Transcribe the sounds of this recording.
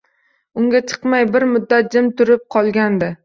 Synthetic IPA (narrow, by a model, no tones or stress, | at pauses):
ʊŋɡʲat͡ʃʰɨ̥qmajbɪɾmʊd̪ːat̪̚d͡ʒɪmt̪ʰʊɾɪp̚qʰɒlˠɡʲand̪ɪ